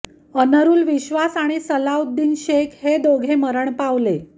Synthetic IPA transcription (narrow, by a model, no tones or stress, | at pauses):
ənəɾuːlʋiɕʋasaɽ̃isəlaud̪ːiːnɕekhed̪oɡʱeməɾəɳpaʋle